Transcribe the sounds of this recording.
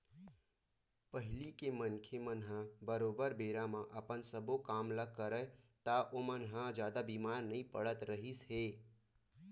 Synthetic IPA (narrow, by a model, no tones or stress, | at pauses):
pəɦɪlikemənkʰemənɦãbəɾoːbəɾbeːɾamãʔəpənsəbokaːmləɡ̚kəɾət̪aʔomənɦãd͡ʒjaːd̪abiːmaːɾnəĩpə̰ɽət̪ɾəɦisɦeː